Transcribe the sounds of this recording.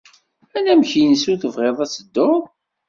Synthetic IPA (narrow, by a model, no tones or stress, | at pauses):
ænæmçinəsuθəvʁeðˤæsəd̪ːoðˤ